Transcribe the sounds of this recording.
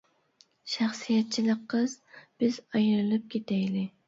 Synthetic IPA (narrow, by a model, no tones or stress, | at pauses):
ʃæχsijɛt̪̚t͡ʃʰilˠɨqːəzb̥ɪzɑjɾɨlˠɨp̚kʲʰet̪ʰɛjlɪ